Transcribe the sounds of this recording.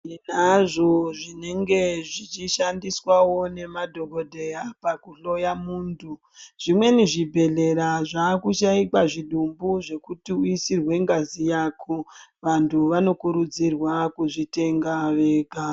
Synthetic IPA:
naʐo̞ʐine̞ŋɡe̞ʐit͡ʃiʃandiswawo̞ne̞madʱo̞ko̞dʱe̞japakuɬo̞jamuːndʰu | ʐ̥imwe̞niʐibʱe̞ɮe̞ɾaʐaːkuʃaikaʐiɗumbuʐe̞kutiuisirwe̞ŋɡazijaːkʰoʋantʰuʋano̞kuɾud͡zirwakuʐite̞ŋɡaʋe̞ːɡʱa

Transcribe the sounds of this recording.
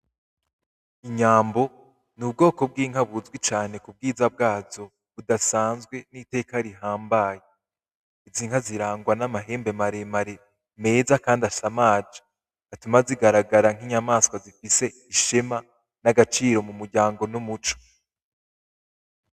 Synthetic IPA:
iɲaːmbo̞ | nub̚ɡo̞ːko̞b̚ɡiːŋ̥ɦaβuzɡwit͡ʃaːn̥e̞kub̚ɡiːzab̚ɡaːzo̞ | βudasaːnzɡwe̞nite̞ːkaɾiɦaːmbaje | iziːŋ̥haziɾaːŋɡwanamaɦe̞ːmbe̞maɾemaɾe̞ | me̞ːzakaːndasamaːd͡ʒḁ | atumaziɡaɾaɡaɾaŋ̥iɲamaːskwazifise̞ | iʃema | naɡat͡ʃiːɾo̞mumuɾɟaːŋɡo̞numut͡ʃo̥

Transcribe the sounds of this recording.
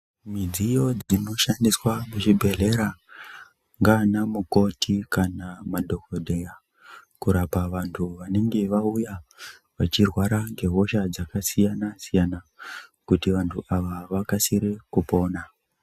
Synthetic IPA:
mid͡zijo̞d͡zino̞ʃandiswamut͡ʃibʱeɮe̞ɾa | ŋɡanamuko̞tʰikanamadʱo̞kodʱeja | kuɾapaʋantʰuʋane̞ŋɡe̞ʋauja | ʋat͡ʃirwaɾaŋɡe̞ɦo̞ʃad͡zakasijanasijanakutiʋantʰuʔaʋaʋakasiɾekupo̞ːna

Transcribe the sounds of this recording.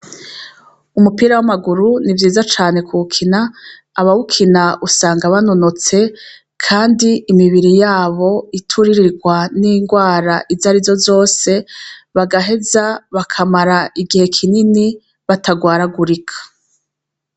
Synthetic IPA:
umupiɾawamaɡuɾunivjiːzat͡ʃaːne̞kʰuukʰinaː | βaukʰinaʔusaːŋɡaβanonot͡se̞ | kʰaːndiːmiβiɾijaːβo̞itʰuɾiɾiɾɡwaniːŋɡwaːɾaʔizaɾizo̞zo̞ːse̞βaɡaɦe̞zaβakʰamaɾaʔiɡihe̞kʰinini | βataɡwaːɾaɡuɾikʰḁ

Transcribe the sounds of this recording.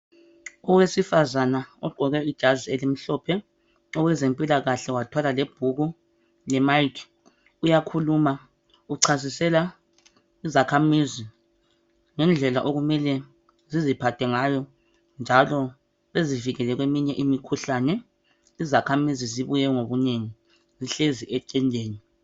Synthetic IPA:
ɔwesifazanaɔɡ͡ǃʱɔɣɛid̥ʒ̥ʱazielim̩ɬɔːpʰɛ | ɔwɛzempʼilaɣaɬɛwatʰwalaleb̥ʱuɣu | lɛmajkʰ | ujakʰuluma | uǀʰazisɛla | izakʰamizi | ŋɛnd͡ɮʱɛlaʔoɣumɛlɛ | zizipʰatʰɛŋajɔ | nd͡ʒʱalɔ | βeziviɣɛlɛɣwemiɲɛʔimikʰuɬanɛ | izakʰamiziziβujɛŋoβuneŋi | ziɬeziʔɛǀɛndʱeːni

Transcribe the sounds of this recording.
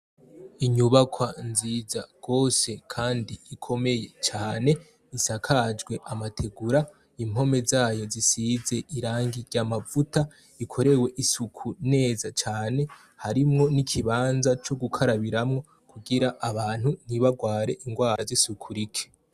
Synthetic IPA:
iɲuβakʰwanziːzaɡ̥o̞ːse̞kʰaːndiːkʰo̞me̞je̞t͡ʃaːne̞ | isakʰad͡ʒɡwe̞ʔamatʰe̞ɡuɾa | imo̞me̞zaːjo̞zisize̞ʔiɾaːŋɡiɾɟamavuta | ikʰo̞ɾe̞we̞ʔisukʰune̞ːzat͡ʃaːne̞ | haɾimŋo̞nikʰiβaːnzat͡ʃo̞ɡukʰaɾaβiɾamŋo̞ | kuɡiɾaʔaβaːn̥hun̥iβaɡwaːɾe̞ʔiŋɡwaːɾazisukʰuɾikʰe̥

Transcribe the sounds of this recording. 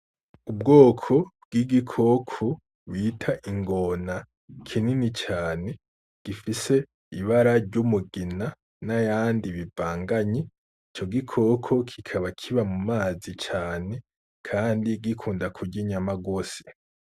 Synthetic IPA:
ub̚ɡo̞ːkʰo̞b̚ɡ̥iɡikʰo̞kʰo | βitʰaʔiŋɡo̞na | kʰininit͡ʃaːne̞ | ɡ̥ifise̞ | iβaɾaɾɟumuɡina | najaːndiβivaːŋɡaɲi | it͡ʃo̞ɡikʰo̞kʰo̞kʰikʰaβakʰiβamumaːzit͡ʃaːne̞ | kʰaːndiɡikʰuːndakʰuɾɟiɲamaɡo̞ːse̥

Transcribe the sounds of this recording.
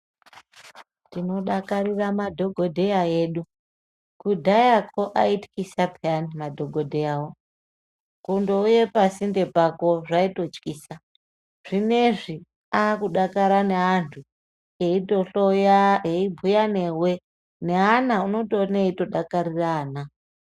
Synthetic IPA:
tino̞ɗakariramadʱo̞ɡʱo̞dʱejaeːɗu | kudʱajakʰo̞ʔaiti̥kisapʰianimadʱo̞ɡʱo̞dʱejaːwo | kundouje̞pasinde̞pako̞ʐaito̞t͡ʃkiːsa | ʐ̥ine̞ʐi | akuɗakaɾane̞antʰu | eitoɬojaeibʱujane̞we̞ | ne̞anauno̞toneito̞ɗakaɾiraːna

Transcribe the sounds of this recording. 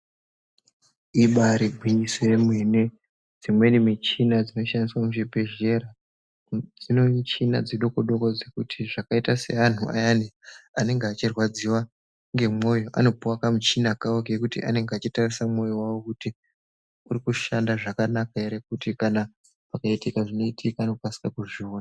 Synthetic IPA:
iɓaɾibʱwiɲisojemwe̞ne | d͡zimwe̞nimet͡ʃinad͡zino̞ʃandiswamuʐibʱe̞ʒe̞ɾa | d͡zinoit͡ʃina̰d͡zeɗo̞koɗo̞kod͡zekutʰiʐakaitase̞̰an̤ua̰janeane̞ŋɡeat͡ʃirwad͡ziwa | ŋɡe̞mo̞jo̞ʔa̰no̞puwakamut͡ʃinakaokekutḭʔane̞ŋɡeat͡ʃitarisamo̞jo̞wawo̞kuti | urikuʃandaʐakanakaeɾek̚utikana | pakaitikaʐino̞itʰikaːno̞kasi̥kakuʐioːna

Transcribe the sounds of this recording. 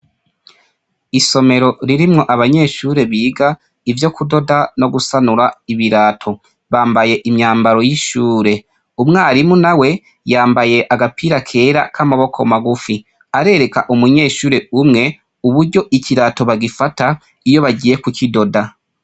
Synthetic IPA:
iso̞me̞ɾo̞ɾiɾimŋo̞ʔaβaɲe̞ːʃuːɾe̞βiːɡa | ivjo̞kudo̞dano̞ɡusanuɾaiβiɾaːtʰo̞ | βaːmbaje̞ʔimɲaːmbaɾo̞jiʃuːɾe̞ | umŋaːɾimunawe̞ | jaːmbaje̞ʔaɡapiːɾakʰe̞ːɾakʰamaβo̞kʰo̞̰maɡufi | aɾe̞ːɾe̞kaʔumuɲe̞ːʃuːɾe̞umŋe̞ | uβuɾɟo̞ʔiciɾaːto̞βaɡifata | ijo̞βaɟiːje̞kucʰido̞da

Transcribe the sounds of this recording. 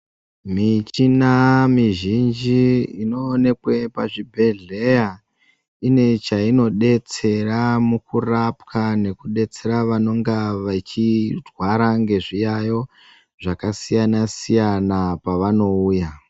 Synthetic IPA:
mit͡ʃinamiʒind͡ʒiino̞ːne̞kwe̞paʐibʱe̞ɮe̞ja | ine̞t͡ʃaino̞ɗe̞t͡se̞ramukurapkane̞kuɗe̞t͡se̞ɾaʋano̞ŋɡaʋat͡ʃirwaɾaŋɡe̞ʐijajo̞ | ʐ̥akasijanasijanapaʋano̞uːja

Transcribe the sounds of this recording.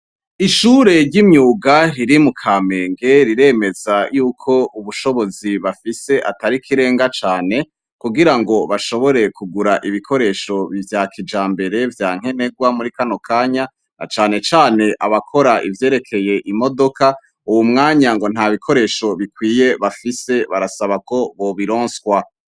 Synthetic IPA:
iʃuːɾe̞ɾɟimɲuːɡaɾiɾimukʰame̞ːŋɡe̞ɾiɾe̞me̞zajuːkʰo̞ʔuβuʃo̞βo̞ziβafise̞ʔataɾikʰiɾe̞ːŋɡat͡ʃaːne̞ | kuɡiɾaŋɡo̞βaʃo̞βo̞ɾe̞kuɡuɾaʔiβikʰo̞ɾe̞ːʃo̞βivjaːkʰid͡ʒaːmbe̞ɾe̞vjaːŋ̥e̞ne̞ɡwamuɾikano̞kʰaːɲa | na̰t͡ʃaːne̞t͡ʃaːne̞ʔaβakʰo̞ɾaʔivje̞ːɾe̞kʰe̞je̞ʔimo̞do̞ka | uwumŋaːɲaŋɡo̞n̥haβikʰo̞ɾe̞ːʃo̞βikwiːje̞βafise̞βaɾasaβako̞βo̞βiɾoːnswa

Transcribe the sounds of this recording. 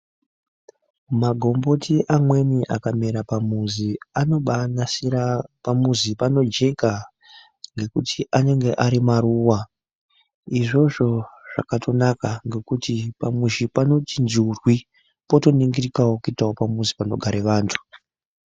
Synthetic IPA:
maɡʱo̞mbo̞tʰiʔamwe̞niʔakameɾapamuziano̞ɓanasirapamuzipano̞d͡ʒe̞ka | ŋɡe̞kutʰiʔane̞ŋɡe̞ʔaɾimaruːwa | iʐo̞ʐo̞ʐ̥a̰katʰo̞nakaŋɡe̞kutipamuʃipano̞tind͡ʒurwi | po̞to̞niŋɡirikawokuitawopamuzipano̞ɡʱaɾeʋaːntʰu̥

